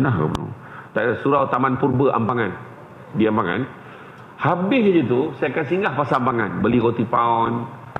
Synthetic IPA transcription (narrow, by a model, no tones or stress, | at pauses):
naɦka̰bənṵ | t̪aasuɾawt̪amanpurbəʔa̰mpaŋan | diampaŋa̰n | habɪɦd͡ʒət̪̬usajakansiŋɡahpasaampaŋa̰nbəlikot̪ipaɔn